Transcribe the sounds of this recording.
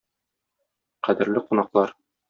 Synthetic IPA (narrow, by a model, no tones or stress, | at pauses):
qæd̪ɘ̆ɾlɘqunɑqlˠɑɾ